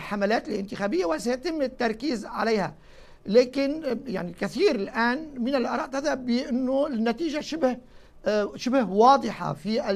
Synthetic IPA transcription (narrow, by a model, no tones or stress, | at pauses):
ħamalaːt̪ɪlʔɪnt̪ɪxaːbɪjːawɪsajat̪ɪmːɪt̪ːɑɾˤkiːzʕa̰lejha̰ | leːkɪnja̰ʕnilkaθiːɾɪlʔaːnmɪnɪlʔɑɾˤɑːʔt̪aðhabːɪʔɪnːoɪnːat̪iːʒaʃɪbh | ʃɪbhwɑːd̪ˤɨħɑ̰fiʔ